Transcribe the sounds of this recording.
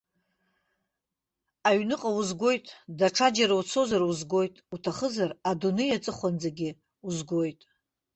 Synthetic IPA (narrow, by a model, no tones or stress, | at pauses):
aɥnɨqʼawuzɡʷo̞jtʼdaʈ͡ʂʰad͡ʒaɾaut͡sʰo̞zaruzɡo̞jtʼutʰaχəzaradunɨjat͡sʼɨχʷand͡zaɡʲɪ | uzɡʷo̞jtʼ